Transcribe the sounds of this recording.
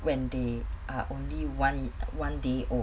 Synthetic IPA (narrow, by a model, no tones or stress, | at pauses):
wɛ̃ndeaʔõnliwãnwãndeʔɔ